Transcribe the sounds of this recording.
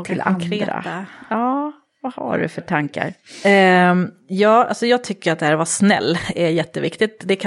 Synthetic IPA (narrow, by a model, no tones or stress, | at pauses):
t̪ɪlkʰɾeːa̰aɑː | vaha̰ɖɵ̰fœʈʰaŋka̰ɾ | jɑːa̰lsɔjɑːɡ̚t̪ʰʏkːəɾat̪d̪ɛhæːɾvasnɛ̰lːæjɛt̪ːəvɪkt̪ɪt̪̚d̪ɛkʰa